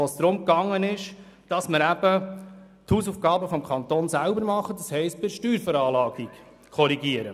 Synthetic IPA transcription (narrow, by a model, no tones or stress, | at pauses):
oːsd̪ɾʊmkɑŋːənɪʃd̥ɑsməɾæb̥ə | t̪huːsuːfɡɑːbəfɔmkʰɑnt̪oːnsælbəɾmɑχədɑshɛɪstb̥ɪɾʃtyːɾfəɾɑːlɑːɡik | kʰɔɾiɡiəɾə̰